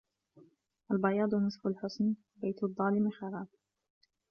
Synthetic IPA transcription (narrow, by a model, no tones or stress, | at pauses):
ʔalbɑjɑːd̪ˤnɨsˤfʊlħʊsn | bajt̪ðˤːɑːlɪmɪxɑɾˤɑːb̚